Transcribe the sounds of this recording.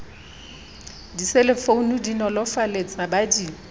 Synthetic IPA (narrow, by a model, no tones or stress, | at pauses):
diselɪfounudinɔlɔfalet͡sʼabadi